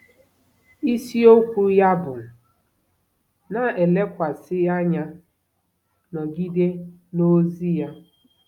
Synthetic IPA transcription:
i˦si˦o˦kʷu˦ja˦bʊ˨ | na˨e˨le˦kʷa˨sɪ˦a˦ɲa˦ | nɔ˨ɡi˦de˦ | no˦zi˦ja˦

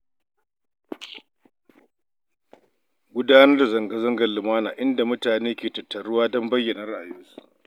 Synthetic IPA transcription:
ɡʷʊ˦daː˦nɐ˦rda˨zɐ˨ŋɡa˦zɐ˦ŋɡɐ˨rlɪ˨maː˦naː˨ʔɪ˦nda˨mʊ˦taː˨neː˦kʲeː˨tɐ˨tːɐ˨ɾʊ˦waː˦dɔ˦mbɐ˦jːɐ˨nɐ˦ɾa˦˨ʔa˨jo˦su̥˦

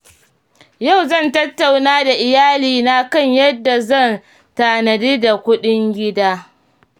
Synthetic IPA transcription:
ja˦˨wzɐ˦˨ntɐ˦tːa˨wnaː˦da˨ʔɪ˨jaː˦liː˨na˦kɐ˦˨ɲjɐ˦dːa˨zɐ˦˨n | taː˨nɐ˨diː˦da˨kʷʊ˦ɗɪ˦ŋɡʲɪ˦daː˦

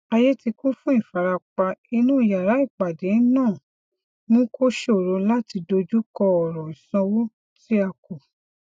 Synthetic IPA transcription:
a˧je˦ti˧ku˦fũ˦i˦˨fa˨ɾa˧k͡pa˧i˧nũː˦i˨ja˨ɾa˨˦i˦˨k͡pa˨de˨˦nãː˦˨ | mũ˦ko˦ʃe˦o˨ɾo˧la˦ti˧do˧d͡ʒu˦kɔ˧ɔ˨ɾɔ˨i˨sã˧wo˦ | ti˦a˧ko˨

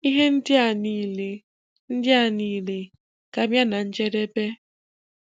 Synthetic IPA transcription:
i˦ɦe˦n̩˦dɪ˦a˨ni˨le˨ | n̩˦dɪ˦a˦˨niː˨le˨ | ka˨mja˦na˨n̩˦d͡ʒe˦ɾe˦pe˦

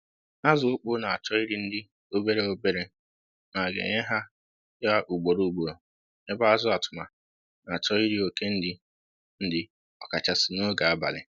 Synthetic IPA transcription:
a˦zʊ˨ʊ˦k͡pʊ˦na˨a˨t͡ʃɔ˦i˦ɾi˦n̩˦dɪ˦ | o˦be˦ɾe˦o˦be˦ɾe˦ | ma˨ɡḛ˨ɲe˦ɦa˦ | ja˦ʔu˨ɡ͡bo˨ɾo˨u˨ɡ͡bo˨ɾo˨ | e˦ba˦a˦zʊ˦a˨tʊ˨ma˨ | na˨a˨t͡ʃɔ˦i˦ɾi˦o˨ke˦n̩˦dɪ˦ | n̩˦dɪ˨ | ɔ˨ka˨t͡ʃa˨sɪ˨no˦ɡa˨a˦ba̰˨lɪ̰˨

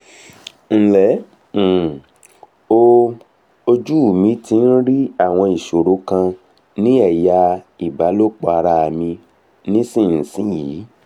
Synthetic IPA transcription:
n̩˦lɛ˨˦˨ | o˧ | o˧d͡ʒu˦˨mĩ˨˦tĩ˧n̩˦ɾi˦a˦˨w̃ɔ̃˧i˨ʃo˨ɾo˨˦kã˧ | nĩ˦ɛ˦˨ja˧i˨ba˨˦lo˦k͡pɔ˧a˧ɾa˧˨mĩ˧ | nĩ˦sĩ˦˨n̩˨sĩ˨˦jiː˨˦

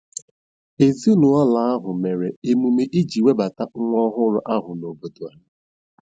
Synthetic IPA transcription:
e˨zi˦nʊ˨a˦la˨a˦ɦʊ˨me˨ɾe˨e˨mu˨me˦ʔi˦d͡ʒi˨we˦ba˨ta˦ŋ̩˦ŋʷɔ˦ɦʊ˦ɾʊ˦ʔa˦ɦʊ˨no˨bo˨do˨a˨

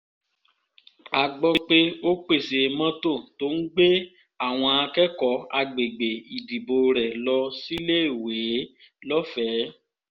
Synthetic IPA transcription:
a˨ɡ͡bɔ˧k͡pe˦o˦k͡pe˦˨se˨˧mã˦to˦˨to˦n̩˦ɡ͡be˦ | a˦˨w̃ɔ̃˧a˧kɛ˦kɔ˨˦a˧ɡ͡be˨ɡ͡be˨i˨di˨bo˨ɾɛ˨lɔ˧si˦le˦i˦˨we˨˦ | lɔ˦fɛ˨˦

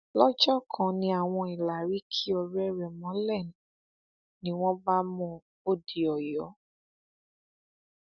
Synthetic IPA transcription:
lɔ˦d͡ʒɔ˦kʰã˨nĩ˧˦a˨w̃ɔ̃˧i˨la˨ɾi˨˦kʰi˦ɔ˧ɾɛ˦ɾɛ˨mɔ̃˨˦lɛ˦˨ñ˨ | nĩ˨˦w̃ɔ̃˦ba˦mɔ̃˦ | o˦˨di˨ɔ˨jɔ˨˦

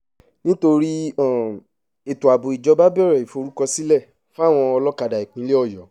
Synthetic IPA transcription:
nĩ˦to˧ɾi˦ɔ˦˨ | e˨tu˨a˨bo˨i˨d͡ʒɔ˧ba˦bɛ˦˨ɾɛ˨i˨fo˨˧ɾu˦kɔ˧si˦lɛ˦˨ | fũ˦a˦˨w̃ɔ̃˧ɔ˧lɔ˦ka˧da˨i˨k͡pĩ˨˦le˦ɔ˦˨jɔ˨˦

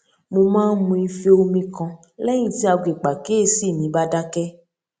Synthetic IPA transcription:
mo˧mãː˦n̩˦mũ˧i˧fe˦o˧mĩ˧kɔ̃˧ | lɛ˦j̃ĩ˨ti˦a˧˨ɡʷe˨k͡pa˨ke˨˦e˦si˦˨nĩ˨˦ba˦da˦kɛ˦

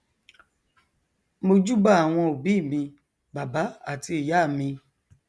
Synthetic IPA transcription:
mo˧d͡ʒu˦ba˦˨a˨w̃ɔ̃˧o˨bi˨˦˨mĩ˧ | ba˨ba˨˦a˦˨ti˧˦i˨ja˨˦˨mĩ˧

